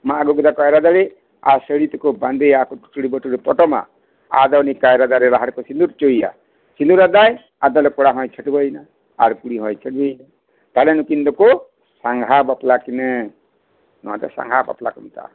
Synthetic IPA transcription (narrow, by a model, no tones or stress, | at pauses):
maaɡɔɡud̪akajɾad̪aɾe | asəɽit̪ɔkɔband̪eakɔʈu̥ʈuɽibɔʈuɾepɔʈɔma̰ | a̰d̪ɔwnikajɾad̪aɾeɾaɦaɽkɔsind̪uɾt͡ʃoija̰ | sind̪uɾad̪aj | ad̪ɔlekɔɽaɦɔ̃jt͡ʃʰəʈibajna | a̰ɾkuɽiɦɔ̃jt͡ʃʰəʈibajna | t̪alenukind̪ɔko | saŋɡʱabɔplakinɛ | nɔ̰t̪a̰sa̰ŋɡʱabɔ̰pla̰kɔnt̪a̰